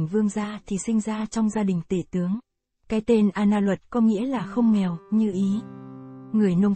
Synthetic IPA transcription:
ŋvɨ˧əŋzaː˧t̪ʰi˨˩sï˧ŋ̟zaː˧t͡ɕɔ˧wŋ͡mzaː˧ɗï˨˩ŋ̟t̪ḭ˧˨˩t̪ɨ˨˦əŋ | kaː˨˦jt̪e˧nʔaː˧naː˧lwə˨˩t̚kɔ˨˦ŋḭ˧˥əlaː˨˩xə˧wŋ͡mŋɛ˨˩wɲɨ˧ʔi˨˦ | ŋɨ˨˩əjno˧wŋ͡m

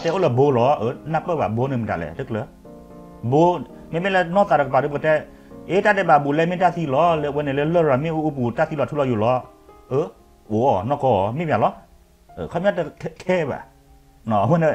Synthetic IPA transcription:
a˧tɛ˧˦o˦lə˧˨bo˨˧˦lɔ˨˦ʔə˨˦nã˧pə˦˨ba˨bo˨˦nɨ̃˨˧˨mɨ̃˨ta̰˨lɛ̰˨tɨ˦klə˧˦ | bo˨˦ | mĩ˧˦mĩ˦lɛ˧nɔ̃˦ta˨ɾɛ˧˨˧pa˨ɾɨ˧pə˧tɛ˦ | e˦ta˦tɛ˧˦ba˨bu˨lɛ˧˦mĩ˦ta˦˧˨θi˧˨lɔ˨˦lwɛ˧nɛ̃˨lə˧˦lə˦˨ɾa˨mĩ˦u˧u˧˦pu˨ta˦˧si˧lɔ˨˧˨tʰu˦lɔ˧˦jo˨lɔ˨˦ | ə˨˦ | o˨˦ɔ˨nɔ̃˦kɔ˧˦ɔ˨mĩ˦mĩ˧ã˨lɔ˦ | ə̰˨kʰɔ˧˦mĩ˦ã˦ttʰɛ˦˨ba̰˨ | nɔ̃˨˧wɛ̃˧nẽ˧˨

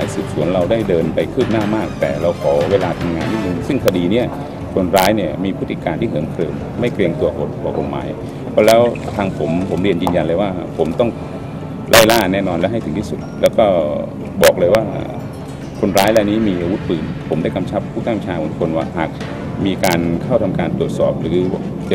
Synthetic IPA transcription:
aː˨˦jsɯː˨˩p̚su˨˩˦ənɾa˧wdaː˥˩jdɤː˧npa˧jkʰɯː˥˩p̚naː˥˩maː˥˩k̚t̪ɛː˨˩ɾa˧wkʰɔː˩˦weː˧laː˧t̪ʰa˧mŋaː˧nmiː˥˩mu˧ŋsɯ˥˩ŋkʰa˧diː˧ni˦˥˩ɐ | kʰo˧nɾaː˦˥jni˥˩ɐmiː˧pʰu˥˩t̪ʰːi˨˧˩kaː˧nt̪ʰiː˥˩ɦɯ˩˦əŋkʰɾɤ̰ː˧m | ma˥˩jkli˧əŋt̪u˧ɐɦo˨˩t̪̚pʰɔː˨˩ko˨˩t̪̚ma̰ː˨˩˦j | pʰɔ˦˥lɛː˦˥wt̪ʰaː˧ŋpʰo˩˦mpʰo˩˦mɾi˧ənjɯː˧nja˧nlɤː˧jwaː˥˩pʰo˩˦mt̪ɔ˥˩ŋ | lʔa˥˩jlaː˥˩nɛː˥˩nɔː˧nlɛ˦˥ʔɦa˥˩jt̪ʰɯ˩˦ŋt̪ʰiː˥˩su˨˩t̪̚lɛː˦˥wkɔː˥˩ | bɔː˨˩k̚lɤː˧jwa̰ː˥˩ | kʰo˧nɾaː˦˥jlɛː˧˩niː˦˥miː˧ʔa˧wu˦˥t̪̚pɯː˨˩npʰo˩˦mdaː˥˩jka˧mt͡ɕʰa˦˥p̚ʰːuː˥˩t̪a˥˩ŋt͡ɕʰaː˧ʔo˩˦nkʰo˧nwa̰ː˧˥˩haː˨˩k̚ | miː˧kaː˧nkʰa˥˩wt̪ʰa˧mkaː˧nt̪ɾu˨˩ət̪̚sɔː˨˩p̚ɾɯː˩˦˧

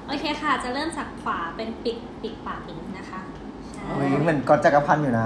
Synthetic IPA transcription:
ʔoː˧kʰeː˧xʰa˥˩˨t͡ɕa˨˩ɾɤː˥˩msa˨˩kkʰwaː˩˦pe˧npi˨˩k̚pi˨˩k̚paː˧ki˨˩˦ŋna˦˥kʰa˦˥˧ | i˧˦mɯ˩ə˦nkɔ˧˥t͡ɕa˨˧˩kːa˧pʰa˧njuː˨˩na˦˥

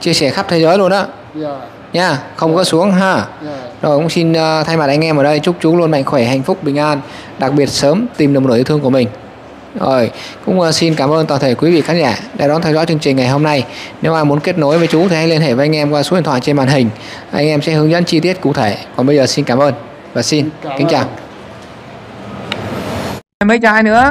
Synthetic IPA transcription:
t͡ɕi˧əsɛ˧˩xa˦˥p̚t̪ʰe˨˦zəː˨˦jlu˧ənʔaː˨˦ | ɲaː˧xə˧wŋ͡mɣə̰ː˧˥su˨˦əŋɦaː˧˩zo˨˩jkʊ̰˧˥ŋ͡msi˧nː˧t̪ʰa˧jma˨˩t̚ʔa˧jŋ̟ʔɛ˧məː˨˩ɗə˧jt͡ɕʊ˦˥k͡p̚t͡ɕu˨˦lu˧ənma̰˧˨jŋ̟xwe˧˩ɦa̰˨˧˨jŋ̟fʊ˦˥k͡p̚ɓï˨˩ŋ̟ʔaː˧n | ɗa˨˩k̚ɓi˨˩ət̚səː˨˦mt̪i˨˩mnɗwno˧˩ji˧˩t̪ʰəkəmï˨˩ŋ̟ | zo˨˩jkʊ̰˧˥ŋ͡msi˧nkaː˧˩mʔəː˧nt̪waː˨˩nt̪ʰe˧˩kwi˨˦vḭ˧˨xaː˨˦nzaː˧˩ɗa̰˨˧˩ɗɔ˨˦nt̪ʰɛ˧wzɔ̰˧˥t͡ɕɨ˧əŋt͡ɕï˨˩ŋ̟ŋa˨˩jɦo˧mna˧jne˨˦wʔaː˧jmu˨˦nke˦˥t̚no˨˦jvəː˨˦jt͡ɕu˨˦t̪ʰi˨˩ha˦˥jli˧ənɦḛ˧˩vəː˨˧˦ʔjŋ̟ʔɛ˧mkwa˧su˧˦˥i˨t̪ʰwa̰ː˧˨jt͡ɕe˧ɓa̰ː˧˨nɦï˨˩ŋ̟ | ʔa˧jŋ̟ʔɛ˧msɛ̰˧˥hɨ˨˦əŋzə̰˧˥nt͡ɕi˧t̪i˦˥ət̚kṵ˧˨t̪ʰe˧˩kɔ˨˩nɓə˧jzəː˨˩si˧nkaː˧˩mʔəː˧n | vaː˨˩si˧nkï˨˦ŋt͡ɕaː˨˩w | jmə˨˦jt͡ɕɔ˧˩ha˧jnɨ̰˧˥ə

